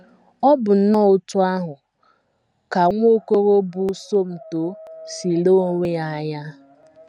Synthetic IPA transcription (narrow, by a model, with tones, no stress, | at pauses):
ɔ˦bʊ˨n̩˦nɔ˦˨ʊ˦tʊ˦a˦ɦʊ˨ | ka˨ŋʷ˦o˦ko˦ɾo˦bʊ˦so˦m̩˨to˨si˨lo˦ŋʷe˦a˨ja˦